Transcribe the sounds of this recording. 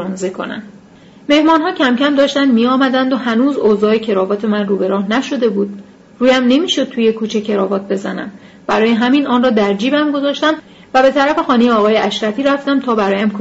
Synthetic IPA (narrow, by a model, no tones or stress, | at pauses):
nzekʰo̞̰næ̰m | me̞hmɒːnɦɒːcʰæmcæmd̪ɒːʃt̪ænd̪miɒːmæd̪ænd̪o̞hænuːzoːzɒːe̞cʰe̞ɾɒːvɒːt̪ʰe̞mænruːbe̞ɾɒːhnæʃo̞d̪e̞buːd̪̚ | ruːjæmne̞miːʃo̞d̪̚t̪ʰuːje̞kʰuːt͡ʃʰe̞cʰe̞ɾɒːvɒːt̪̚be̞zænæ̰m | b̥æɾɒːjeɦæminɒːnrɒːd̪æɾd͡ʒiːbæmɡo̞zɒːʃt̪æm | væbe̞t̪ʰæɾæfe̞xɒːnejeɒːɣɒːjeʔæʃɾæt̪ʰiːɾæft̪æmt̪ʰɒːbæɾɒːjæmk